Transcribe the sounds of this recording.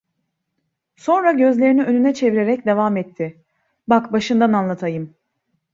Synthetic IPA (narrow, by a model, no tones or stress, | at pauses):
so̞nɾaɟø̞zlʲe̞ɾiniønynɛt͡ʃʰe̞viɾe̞ɾɛcd̪e̞vamɛt̪ʰːɪ | bakbaʃɯnd̪ananlˠat̪ʰajɯm